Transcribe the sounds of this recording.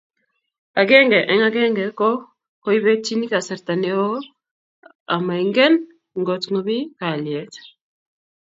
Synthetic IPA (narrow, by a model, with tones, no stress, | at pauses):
a˨ɡɛ˦ŋɡɛ˨ʔɛ˨ŋa˦ɡɛ˦ŋɡɛ˨kɔ˦ | ko˦jibɛ˦t͡ʃi˦ni˦kasɛ˨ɾt̪a˨nɛo˦ | ama˨jŋɡɛ˦n | ŋɡotŋobi˦ka˨liɛt